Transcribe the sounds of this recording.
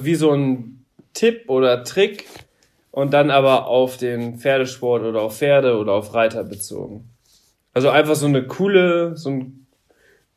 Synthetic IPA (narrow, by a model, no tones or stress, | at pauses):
viːzoːn | tʰɪp̚ʔoːdɐtʁ̥ɪk | ʔʊntd̥anʔaːβɐʔaʊfd̥eːnfeːɐɾəʃpɔɐtʔoːɾɐaʊfːeːɐɾəoːɾɐaʊfʁaɪtɐbət͡so̰ːɡŋ̩ | ʔalzoʔaɪnfaχz̥oːnəkʰuːləzoːn